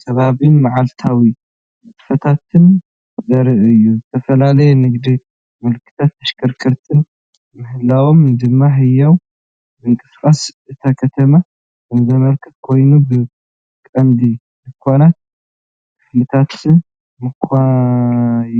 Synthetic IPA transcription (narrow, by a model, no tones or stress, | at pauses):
kʰɐβaβinmaʕalt̪ʰawi | mɨtʼfɐt̪ʰat̪ʰɨn | zɐɾɨʔɨjːuzɨt̪ʰɐfɐlalɐjɛnɨɡd̪i | mɨlkʰɨ̥t̪ʰat̪ːɐʃkʰʼɐɾkʰɨɾt̪ʰɨn | mɨhɨlːawomd̪ɨmːaɦɨjːɐw | mɨŋkʼɨskʼasʔɨt̪ʰakʰɐt̪ʰɐma | ɨnzɐmɐlkʰɐt̪̚kʰo̞jnubɨ | kʼɐnd̪i | mɨkʰwanat̪̚ | kʰɨflɨt̪ʰat̪ʰːɨn | mɨkʰa